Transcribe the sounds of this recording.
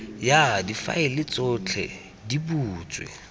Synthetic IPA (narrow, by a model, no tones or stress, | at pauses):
jadifa̰ɪlɪt͡sʼʊt͡ɬʰɛ̰ | dibuːt͡sʼwḛ